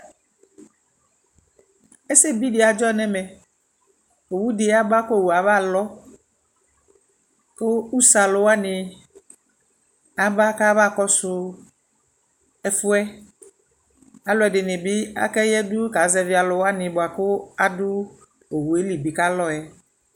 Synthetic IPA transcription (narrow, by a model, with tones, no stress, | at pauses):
e˦sɪ˦bi˦dɪ˨a˨d͡ʒɔ˦nɛ̃˦mɛ̃˨ | o˨wu˦dɪ˨˦a˦ba˦ko˦˨wu˨a˨va˦˨lɔ˦ | kʊ˦u˦sa˨lʊ˨wa˦nɪ˨ | a˨ba˦ka˦βa˦˨kɔ˦sʊ˦ | ɛ˨fʊ˦ɛ˦ | a˨lʊ˦ɛ˨dɪ˨nɪ˨bɪ˦a̰˦kɛ˦jɛ˦dʊ˦ka˨˦zɛ˦vi˨˦a˨lʊ˨wa˦nɪ̃˨bʊ˨a˨kʊ˦a˨dʊ˦ | o˨wu˨e˦li˨bi˨ka˦lɔ˦ɛ˨